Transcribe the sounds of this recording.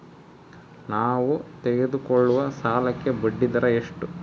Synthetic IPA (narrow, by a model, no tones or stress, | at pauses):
naːʋut̪ɛɡe̞d̪ukoɭːuʋɐsaːlɐkːe̞bɐɖːid̪ɐɾɐeʂʈu